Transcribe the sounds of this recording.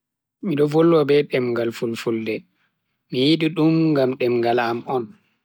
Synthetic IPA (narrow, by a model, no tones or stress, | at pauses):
miɗɔvolːɔbɛɗɛmŋɡalfulfuldɛ | mijiɗiɗumɡamɗɛmɡalamɔn